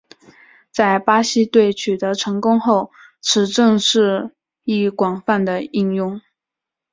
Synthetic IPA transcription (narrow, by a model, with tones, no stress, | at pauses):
t͡sa˥˩ɪpa˥ɕi˥t̪we˥˩ɪt͡ɕʰy˨˩t̪ɤ˧˥ʈ͡ʂʰɤ˧˥ŋkʊ˥ŋxo˥˩ʊ | ʈ͡ʂʰɻ̩˧˥ʈ͡ʂɤ˥˧ŋʂɻ̩˥˧ | i˥˩kwɑ˨˩ŋfa˥˩nd̪ə˩i˥˧ŋjʊ˥˩ŋ